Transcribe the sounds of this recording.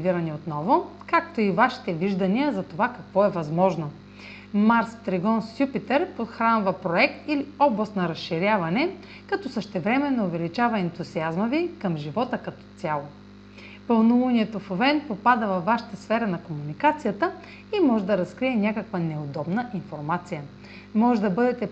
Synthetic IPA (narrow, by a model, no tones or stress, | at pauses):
viɾɐnɛot̪nɔvʊkak̚t̪oivaʃi̥t̪ɛviʒd̪ɐniəzɐt̪ovakɐkvɔɛvɐzmɔʒno | maɾst̪ɾɛɡɔnsʲjupit̪ɛɾpot̪xɾanvɐpɾoɛk̚t̪iliɔblˠɐst̪nɐɾɐsʃiɾʲjavɐnɛ | kɐt̪ɔsəʃt̪ɛvɾɛmɛnːoːvɛlit͡ʃavɐɛnt̪uziazməvikɐmʒivɔt̪əkɐt̪ɔ̥t̪ʲalˠo | pəlˠnulˠuniɛt̪ofovɛnpopad̪əvɐvːaʃɐ̥t̪əsfɛɾɐnɐkomunikat̪sijət̪ə | imɔʒɛd̪ɐɾɐskɾiɛnʲakəkvənɛod̪ɔbnəʔinfoɾmat̪sijə | mɔʒɛd̪ɐbɤd̪ɛt̪ɛ